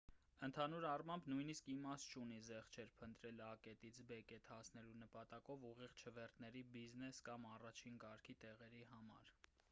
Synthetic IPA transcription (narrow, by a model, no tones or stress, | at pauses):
ənt̪ʰɑnuɾɑrmɑmbnujniskimɑst̪̚t͡ʃʰunizɛχt͡ʃʰɛɾpʰənt̪ɾɛlɑkɛt̪it͡sʰbɛkɛt̪hɑsʰnɛlunəpɑt̪ɑkɔvuʁiʁt͡ʃʰəvɛrt̪nɛɾibiznɛskɑmɑrɑt͡ʃʰinkɑɾkʰit̪ɛʁɛɾiɦɑmɑ̰ɾ